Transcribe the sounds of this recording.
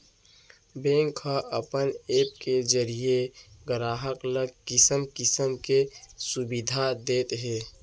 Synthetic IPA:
bẽːŋkʰːaʔəpəneːp̚ked͡ʒəɾijeɡəɾaːɦəkləɡkɪsəmkɪsəmkesʊbɪd̪ʱad̪eːt̪ɦɛː

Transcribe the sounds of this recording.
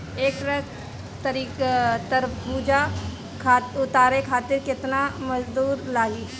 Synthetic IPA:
eːkɾɐk | t̪ɐɾikt̪əɾbuːd͡ʒa | kʰaːʊt̪aːɾekʰaːt̪ɪɾkɪt̪namɐzd̪uːɾlaːɡiː

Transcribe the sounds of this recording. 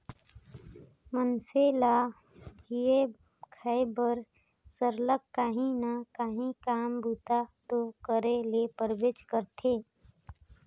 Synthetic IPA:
mənsela | d͡ʒie | kʰaebəɾ | səɾləkːaːɦĩnakaːɦĩkaːmbuːt̪at̪okəɾelepəɾbeːt͡ʃkəɾt̪ʰeː

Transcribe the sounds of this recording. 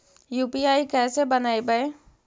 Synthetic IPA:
juːpiaːikɛːsebɐnaːibəe

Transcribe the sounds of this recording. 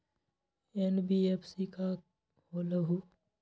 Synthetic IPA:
enbiːepʰsika | hoːləɦu

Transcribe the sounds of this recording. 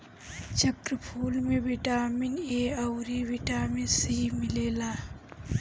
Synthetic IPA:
t͡ʃəkɾəpʰuːlmẽʋɪʈaːmɪneːɐwɾiʋɪʈaːminsiːmɪleːlaː

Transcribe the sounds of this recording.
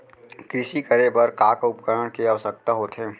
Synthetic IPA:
kɾɪʃikəɾebəɾkaːkʊpkəɾəɽkeaʋəsək̚t̪aɦoːt̪ʰɦeː

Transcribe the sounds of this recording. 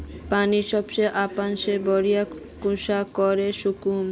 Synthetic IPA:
paniʃɔbt͡ɕejʔapanʃebɔɾijakuʃakoɾeʃukum

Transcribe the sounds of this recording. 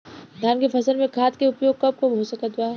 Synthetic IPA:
d̪ʱjaːnkefɐsəlmẽkʰaːt̪keʊpjoːɡ̚kɐb̚kobʱɦosɐkad̪ʊaːɦ

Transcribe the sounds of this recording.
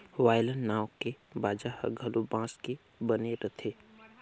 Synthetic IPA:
ʋaːjlənnːaːwkebaːd͡ʒahə̰ɡʱəlobãːske | bəneɾət̪ʰeː

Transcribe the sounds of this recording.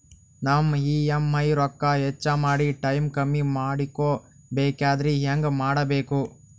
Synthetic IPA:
naːmiːemːɐjɾɔkːaɛt͡ʃːamaːɽiʈɐjmkɐmːimaːɽikːoː | beːkaːd̪ɾiɦeŋɡɐmaːɽɐbeːku

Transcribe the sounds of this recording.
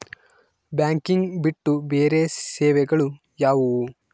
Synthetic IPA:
baːŋkiŋɡbiʈːubeːɾeːsɛːʋɛɡɐɭu | jaːʋu

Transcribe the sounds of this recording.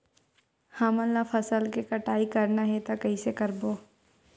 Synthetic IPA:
hɐmɐlːafʰɐsəlkekɐʈaːikɐɾnaɦɛt̪akɐɦisekɐɾboː

